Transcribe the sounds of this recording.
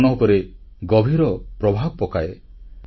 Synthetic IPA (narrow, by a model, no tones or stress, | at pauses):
nɔɦukɔɾeɡɔbʱiɾɔpɾɔbʱab̚pɔkae